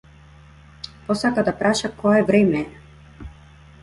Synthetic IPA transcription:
pɔsakad̪apɾaʃakɔɛvɾɛmɛɛ

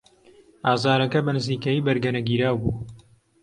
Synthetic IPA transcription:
aːzaːɾɐkɐbɐnɨziːkɐjiːbɐɾɡɐnɐɡiːɾaːwbuː

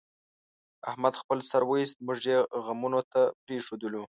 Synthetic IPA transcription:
ahmad̪xpəlsaɾwəjist̪̚mʊʐjeɣamunot̪apɾeʂod̪əlu

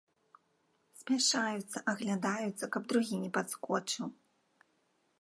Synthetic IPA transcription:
sʲmʲaʂajut̪sːɐʔɐɣlʲad̪ajut̪sːɐkɐbd̪ɾuɣʲinʲɛpat̪skɔt͡ʂɨw

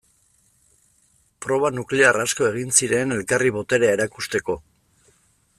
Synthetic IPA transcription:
pɾo̞β̞anukle̞arasko̞e̞ɣ̞insiɾe̞ne̞lkariβo̞t̪e̞ɾeae̞ɾakust̪e̞ko̞

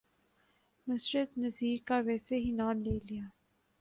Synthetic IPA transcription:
mɪsɾət̪nɐziːɾkaʋɛːseɦinaːnleːlijaː

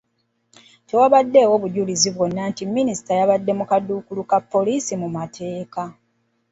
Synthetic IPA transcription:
tewaβadːe̞ːwo̞βuɟuliziβwonːaːntimːinisi̥tajaβadːe̞mukadːukulukapːo̞lisimumatʰe̞ːka

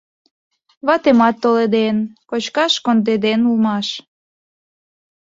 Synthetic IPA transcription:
βɑt̪emɑt̪ːoled̪enkot͡ɕkɑʃkond̪ed̪enulmɑʃ

